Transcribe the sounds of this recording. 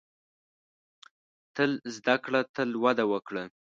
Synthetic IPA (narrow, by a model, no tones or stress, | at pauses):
t̪əlzd̪akɽat̪əlwad̪awəkɽə